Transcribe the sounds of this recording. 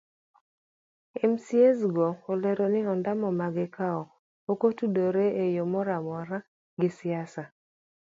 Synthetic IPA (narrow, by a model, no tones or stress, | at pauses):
ɛmsiesɡoolɛɾonɪɔndamɔmaɡɪkaɔ | okotudoɾeʔejomɔɾamɔɾa | ɡɪsɪasa